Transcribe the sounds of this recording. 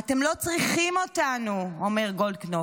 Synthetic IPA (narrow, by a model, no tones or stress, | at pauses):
ate̞mlo̞t͡sʁiχimo̞tanuome̞ʁɡo̞lkno